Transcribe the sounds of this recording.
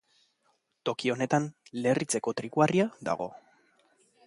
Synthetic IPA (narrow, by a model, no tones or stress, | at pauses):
t̪o̞kio̞ne̞t̪anle̞rit͡se̞ko̞t̪ɾikuariad̪a̰ɣ̞o̞̰